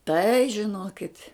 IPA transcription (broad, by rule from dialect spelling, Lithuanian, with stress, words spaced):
tɐɪ ʒʲɪˈnoːkʲɪtʲ